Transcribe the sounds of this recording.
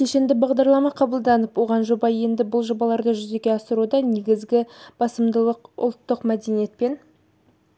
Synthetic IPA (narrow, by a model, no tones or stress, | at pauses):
ʃe̞ʃe̞nd̪ɪbɑʁd̪ɑɾlˠɑmɑqʰɑbəlˠd̪ɑnəpwo̞ʁɑnʒo̞bɑje̞nd̪ɪbʊlˠʒo̞bɑlˠɑɾd̪əʒʏze̞ɡʲe̞ɑsəɾud̪ɑne̞ɡʲɪzɡʲɪb̥ɑsəmd̪əlˠəqʊ̰lˠt̪ːəqmæd̪e̞nijet̪̚pe̞n